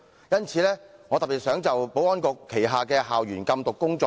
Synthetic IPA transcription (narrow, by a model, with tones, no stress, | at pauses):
jɐ˥nt͡sʰiː˨˧lɛː˥ŋɔː˨˧t̪ɐ˨˩piː˨t̚sœː˨˥ŋt͡sɐ˨wpo˨˥wɔː˥nkɔː˧kʰːe˨˩jɦaː˨˩kɛː˧ɦaː˨wɥyː˨˩nkɐ˧mt̪ʊ˨kːʊ˥ŋt͡sɔː˧